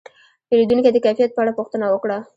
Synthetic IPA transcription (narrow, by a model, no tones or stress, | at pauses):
p̪elid̪unked̪əkajfijat̪̚pəaɽapuxt̪ənawəkɽa